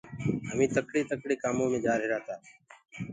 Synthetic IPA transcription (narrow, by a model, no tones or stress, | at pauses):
əmĩːt̪əkɽeːt̪əkɽeːkaːmõːmẽːd͡ʒaːɾeːɾaːt̪aː